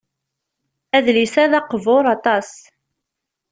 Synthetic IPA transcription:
æðlisæðɑqvoɾˤɑt̪ˤɑs

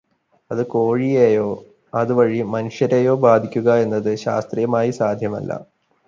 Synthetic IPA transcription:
ɐðɨkoːɻijeːjo̞ː | ɐðɨʋɐɻimɐnuʂjɐɾeːjo̞ːbaːd̪ʱikʲːuɣɐe̞nːɐðɨɕa̰ːst̪rijɐmaːjisaːd̪ʱjɐmɐ̰lːɐ̰

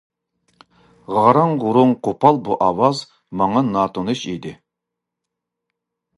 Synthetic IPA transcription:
ʁɑɾɑŋʁʊɾuŋqʰopʰɑlˠbuʔɑwɑz | mɑŋɑnɑːt̪ʰonɨʃid̪ɪ

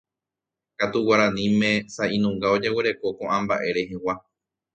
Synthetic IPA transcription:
kat̪uwaɾãnĩmẽ̞saʔĩnũŋɡao̞d͡ʒe̞wɨɾe̞ko̞kõʔãmbaʔe̞ɾe̞ɦewa

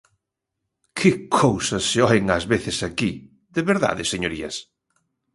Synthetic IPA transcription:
kʰɪkʰowsɐsːeɔɪŋazβeθɪsaki | ðeβeɾða̰ðɪseɲoɾiɐ̰s

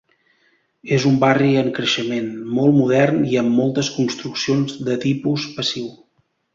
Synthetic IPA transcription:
ezumbariəŋkɾəʃəmenmɔlˠmuð̞ɛrniəmːɔlˠt̪əskunst̪ɾuksionzðət̪ipuspəsiw

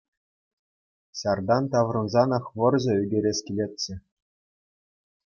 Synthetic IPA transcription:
ɕɑrd̪ɑnt̪ɑʋrɤ̆nzɑnɤχʋɤ̆rʑɤ̆yɡʲeɾʲeɕʲkʲilʲet̚ʲt͡ɕɘ̆

